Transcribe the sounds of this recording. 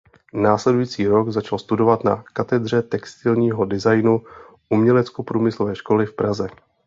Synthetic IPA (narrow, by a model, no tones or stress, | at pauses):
naːslɛdujiːt͡siːɾo̞ɡzat͡ʃalst̪udo̞vat̪na̰kat̪ɛd̪r̝ɛt̪ɛkst̪ɪlɲiːɦo̞dɪzajnu | ʔumɲɛlɛt͡skopɾuːmɪslo̞vɛːʃko̞lɪfpɾazɛ